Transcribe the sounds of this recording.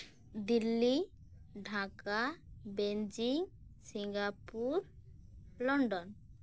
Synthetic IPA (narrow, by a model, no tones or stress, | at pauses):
d̪ilːiɖʱakabend͡ʒiŋsiŋɡapuɾ | lɔɳɖɔn